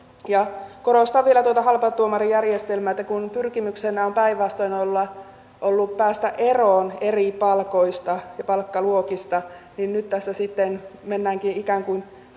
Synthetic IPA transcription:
jɑkoɾost̪ɑʋʋielæt̪uot̪ɑhɑlpɑt̪ːuomɑrijærjest̪elmæːet̪ːækunpyrkimyksenːæompæiʋʋɑst̪oinolːɑ | ʔolːuppæːst̪æʔeroːneripɑlkoist̪ɑjɑpɑlkːɑluokist̪ɑninnyt̪t̪æsːæsit̪ːenmenːæːŋkinikæːŋkuin

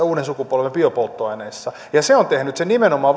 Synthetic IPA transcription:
uːdensukupolʋempiopolt̪ːoɑineːsːɑ | jɑseont̪ehnyt̪senimenomɑː

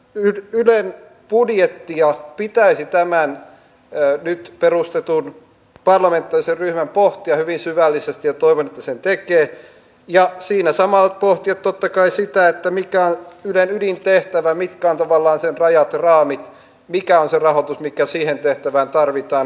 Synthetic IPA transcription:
yylen | pudjet̪ːiɑpit̪æisit̪æmænː | nyt̪perust̪et̪un | pɑrlɑment̪ːɑːriserryhmæmpoht̪iɑhyʋinsyʋælːisest̪ijjɑt̪oiʋonet̪ːæsent̪ekeː | jɑsiːnæsɑmɑlt̪poht̪iɑt̪t̪ot̪ːɑkɑisit̪æet̪ːæmikæonylenydint̪eht̪æʋæmit̪kæont̪ɑʋɑlːɑːnsenrɑjɑt̪rɑːmit̪ | mikæonserɑhot̪usmikæsiːhent̪eht̪æʋæːnt̪ɑrʋit̪ɑːn

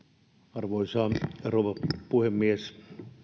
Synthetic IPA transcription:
ɑrʋoisɑːroʋɑpuhemːies

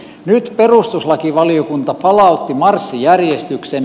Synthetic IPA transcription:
nyt̪perust̪uslɑkiʋɑliokunt̪ɑpɑlɑut̪ːimɑrsːijærjest̪yksen

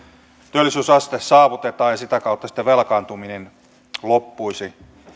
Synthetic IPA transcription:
t̪yølːˑisyːsɑst̪essɑːʋut̪et̪ɑːjɑsit̪ækɑˑut̪ːɑsi̥t̪ːeʋelkɑːnt̪uminen | lopːuisi

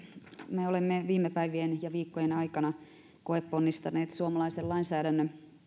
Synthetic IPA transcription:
meolemːeʋiːmːepæiʋienjɑʋiːkːojenɑikɑnɑ | koepːonːist̪ɑneːt̪suomɑlɑisellɑinsæːɾænːø

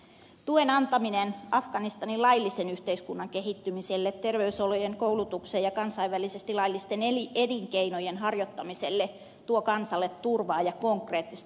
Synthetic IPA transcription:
t̪uenɑnt̪ɑminenʔɑfɡ̥ɑnist̪ɑnilɑjlːisenyht̪eiskunːɑŋke̞ɦit̪ːymiselːet̪te̞rʋeysolojeŋko̞wlut̪ukseːjɑkɑnsɑiʋʋælisest̪ilɑjlːist̪eneliediŋkeinojenɦɑrjot̪ːɑmiselːe | t̪uokɑnsɑlːet̪ːurʋɑːjɑko̞ŋkreːt̪ːist̪

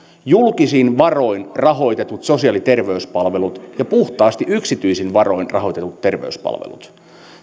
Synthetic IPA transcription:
julkisiːnʋɑro̞inrɑɦo̞jt̪e̞t̪ut̪so̞siɑlit̪e̞rʋe̞yspɑlʋe̞lut̪jɑpuht̪ɑːst̪iʔyksit̪yisinʋɑro̞inrʔɑ̰ɦo̞jt̪e̞t̪ut̪ːe̞rʋḛyspɑ̰lʋḛlṵt̪

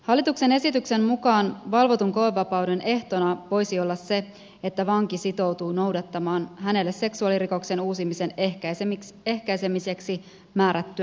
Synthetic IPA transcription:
hɑlːit̪ukse̞ne̞sit̪ykse̞mmukɑːnʋɑlʋo̞t̪uŋko̞ʋeʋːɑpɑwde̞nʔe̞ht̪o̞nɑʋo̞jsio̞lːɑsːe̞ | et̪ːæʋɑŋkisit̪o̞wt̪uːno̞wdɑt̪ːɑmɑːnɦæne̞lːe̞se̞ksuɑliriko̞kse̞nuːsimise̞nekæseke̞hkæjse̞mise̞ksi | mæːɾæt̪ːyæ

